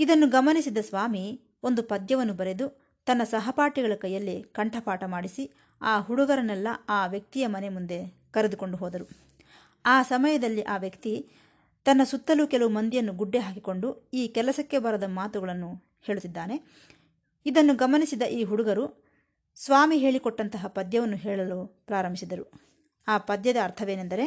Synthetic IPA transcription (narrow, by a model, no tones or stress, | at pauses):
id̪ɐnːuɡɐmɐnisid̪ɐsʋaːmi | ond̪upɐd̪jɐʋɐnːubɐɾe̞d̪u | t̪ɐnːɐsɐɦɐpaːʈiɡɐɭɐkɐjːɐlːikɐɳʈʰɐpaːʈɐmaːɽisi | aːɦuɽuɡɐɾɐnɛlːɐaːʋjɐk̚t̪ijɐmɐnemund̪e̞ | kɐɾed̪uko̞ɳɖuɦɔːd̪ɐɾu | aːsɐmɐjɐd̪ɐlːiʔaːʋjɐkt̪i | t̪ɐnːɐsut̪ːɐlukɛlɐʋumɐnd̪ijɐnːuɡuɖːeɦaːkiko̞ɳɖuiːkɛlɐsɐkːe̞bɐɾɐd̪ɐmaːt̪uɡɐɭɐnːu | he̞ːɭut̪ːid̪ːaːne̞ | id̪ɐnːuɡɐmɐnisid̪ɐʔiːɦuɽuɡɐɾu | sʋaːmiɦe̞ːɭikɔʈːɐnt̪ɐɦɐpɐd̪jɐʋɐnːuɦɛːɭɐloːpɾaːɾɐmbʱisid̪ɐɾu | aːpɐd̪jɐd̪ɐːɾt̪ʰɐʋe̞ːnend̪ɐɾe̞